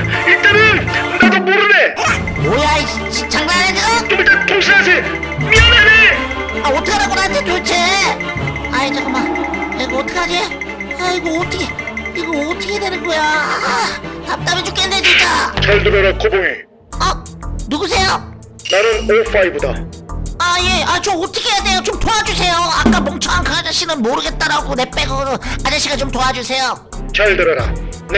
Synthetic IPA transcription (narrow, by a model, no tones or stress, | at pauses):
intʰeɾɯnndad̪omoɾɯne | mojai | t͡ɕit͡ɕʰaŋnaed͡ʑʌt͡ɕomitat̪ʰoŋɕʰiasʰe | mianeneaotʰɯkʰeɾaɡonant̪ʰet͡ɕot͡ɕʰe | ajet͡ɕakomaeɡootʰʌkʰad͡ʑie | aiɡootʰɯkʰeiɡootʰʌkʰedwenɯnɡʌja | tam̚t͈amet͡ɕuk͈ended͡ʑit͡ɕ͈at͡ɕʌɭdɯɾʌɾakoboŋi | anuɡus̬ʰe̞jo | naɾɯnofʰaibuda | aje̞ʔat͡ɕomotʰɯ̥kʰejade̞jot͡ɕomtoad͡ʑusʰe̞joak͈apoŋt͡ɕʰʌaŋkʰaad͡ʑaɕ͈ʰinɯnmoɾɯɡe̞t̚t͈aɾaɡone̞p͈eɡonɯnad͡ʑaɕ͈ʰiɡat͡ɕomtoad͡ʑusʰe̞jo | t͡ɕʌɭdɯɾʌɾa̰ne